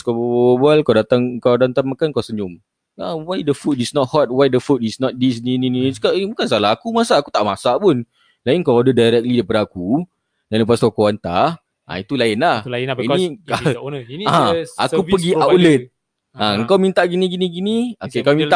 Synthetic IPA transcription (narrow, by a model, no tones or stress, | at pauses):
skabbalkawdat̪aŋŋkawdant̪aŋmakankawsəɲʊm | ãwajdəfut̚isnɔt̚hɔt̚wajdəfut̚isnɔt̪̚dis̬ninininisu̥kabukans̬alaɦakumasaʔakut̪aʔmasaʔpʊn | laɪnkawadədajɾɛk̚lidapadaku | danləpaskokoant̪a̰h | ʔã̰it̪ulaɪnlahiianaakupəɡiaulət̪̚ | ãəŋkawmint̪aʔɡinĩɡinĩɡiniokekawmint̪a